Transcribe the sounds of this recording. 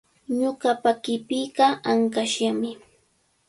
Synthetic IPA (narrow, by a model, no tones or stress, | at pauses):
ɲʊɢɑpakɪpɪɢɑaŋkaʃamɪ